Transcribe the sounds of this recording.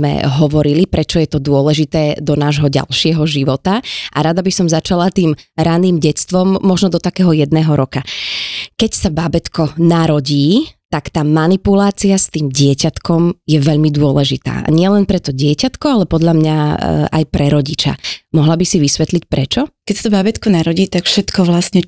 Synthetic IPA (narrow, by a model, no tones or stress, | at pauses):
mɛ̰ɦɔʋɔɾilipɾɛt͡ʃɔjɛt̪ɔd̪ʊɔlɛʒit̪ɛːd̪ɔnaːʒɦɔɟa̰lʃɪɛɦɔʒiʋɔt̪aʔaɾad̪abisɔmzat͡ʃalat̪iːmɾaniːmɟɛt͡st̪ʋɔmːɔʒnɔd̪ɔt̪akɛːɦɔjɛd̪̚nɛːɦɔɾɔka | kɛcsababɛt̪kɔnaɾɔɟiːt̪akt̪aːmanipulaːt͡siast̪iːmɟɪɛcat̪kɔmjɛʋɛʎmid̪ʊɔlɛʒit̪a̰ːʔa̰ɲɪɛlɛnpɾɛt̪ɔɟɪɛcat̪kɔalɛpɔd̪ʎamɲaa̰jpɾɛɾɔɟit͡ʃa̰mɔɦlabisiʋisʋɛt̪lic̚pɾɛt͡ʃɔkɛcsat̪ɔbabɛt̪kɔnaɾɔɟiːt̪akfʃɛt̪kɔʋlasɲɛ